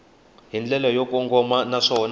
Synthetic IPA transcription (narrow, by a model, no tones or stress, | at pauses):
ɦind͡ɮɛlɔjok̬ʼɔŋɡʱɔmanaʂɔn